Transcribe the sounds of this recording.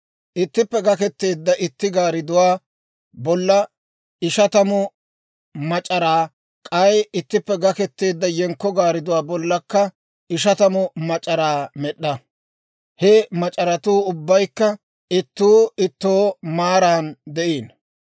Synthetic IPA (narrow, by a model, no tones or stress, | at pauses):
ʔɪt̪ːɪpːɛɡɐkɛt̪ːe̞ːd̪ːɐʔɪt̪ːɪɡaːɾɪd̪ʊwaː | bɔlːɐ | ɪʃɐt̪ɐmʊ | mɐt͡ʃʼɐɾaː | kʼɐjɪt̪ːɪpːɛɡɐkɛt̪ːe̞ːd̪ːɐjɛŋkːɔɡaːɾɪd̪ʊwaːbɔlːɐkːɐ | ɪʃ̬ɐt̪ɐmʊmɐt͡ʃʼːɐɾaːmɛɗːɐ | hɛmɐt͡ʃʼɐɾɐt̪uːʊbːɐjkːɐ | ɪt̪ːuːɪt̪ːoːmaːɾaːnd̪ɛʔiːn